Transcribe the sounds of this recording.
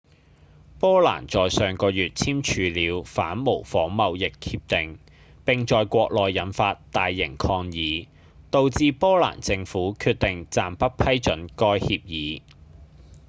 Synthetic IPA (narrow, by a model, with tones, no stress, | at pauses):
pɔː˥la̰ː˨˩nt͡sɔː˨jsœː˨˩ŋkɔː˧jyː˨t̚t͡sʰiː˥mt͡ʃʰyː˨˧liː˨˧wfaː˨˥nmo˨˩wfɔː˨˥ŋmɐ˨wjɪ˨khʰiː˧p̚t̪ɪ˨ŋ | pɪ˨ŋt͡ʃɔː˨jkʷɔː˧k̚lɔː˨jːɐ˨˥nfaː˧tt̪aː˨jːɪ˨˩ŋkʰɔː˧ŋjiː˨˦ | t̪o˨˧wt͡siː˧pɔː˥la̰ː˨˩nt͡sɪ˧ŋfuː˨˥kʰyː˧t̚t̪ɪ˨ŋt͡saː˨mpɐ˥t̚pʰɐ˥jt͡ʃɵ˨˥nkɔː˥jhiː˧p̚jiː˨˧